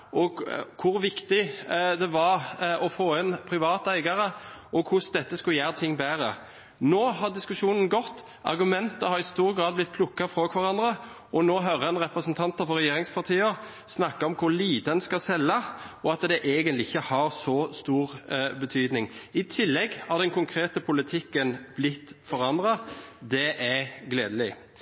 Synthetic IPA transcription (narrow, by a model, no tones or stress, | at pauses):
ɔɡkʰʊɾʋɪkt̪ɪd̪ɛʋɑɾɔfoːɛnpʰɾɪʋɑːt̪əæɪɡɑɾəʔɔkʰʊsd̪ɛt̪ːəskʉljæːɾt̪ʰɪŋːbæːɾə | noːhɑɾd̪ɪskʉʂuːnən̩ɡɔt̪ː | ɑ̰ɾɡʉmɛnt̪əhɑɾɪst̪uːɾɡɾɑːd̪̚blɪt̪̚pʰlʊkːɑfʁɔkʰʋɑʁɑnd̪ʁə | ɔnoːɦœɾəɑnʁɛpɾəsnt̪ʰɑnt̪əfɔɾɛjeːɾɪŋspʰɑʁt̪ʰiːə | snɑkːɑɔmkʰʊɾliːt̪əɛnskɑsɛlːɑɔɑt̪d̪ɛʔeːɡənt̪lɪɪçːəhɑɾsɔst̪uːɾbət̪ʰyːd̪nɪŋɪt̪ʰɪlːɛɡhɑɾd̪ɛnkʰʊŋkʰɾeːt̪əpʰʊlɪt̪ʰɪkːənb̥lɪt̪ːfɔɾɑnd̪ʁɑd̪ɛʔæɾɡleːd̪əlɪ